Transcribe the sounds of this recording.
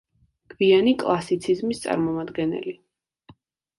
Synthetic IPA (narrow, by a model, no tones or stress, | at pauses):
ɡ̥ʰvianikʼlˠasit̪sʰizmist̪sʼa̰ɾmɔmad̪ɡɛnɛ̰li